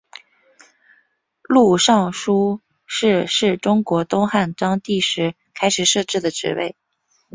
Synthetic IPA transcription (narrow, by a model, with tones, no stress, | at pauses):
lu˥˧ʂɑ˥˩ŋʂu˥ | ʂɻ̩˥˧ʂɻ̩˥˩ʈ͡ʂʊ˥ŋkwɔ˧˥t̪ʊ˥ŋxa˥˩nʈ͡ʂɑ˥ŋt̪i˥˩ʂɻ̩˧˥ | kʰa˥ɪʂɻ̩˨˩ʂɤ˥˧ʈ͡ʂɻ̩˥˩d̪ə˩ʈ͡ʂɻ̩̰˧˥wḛ˥˩ɪ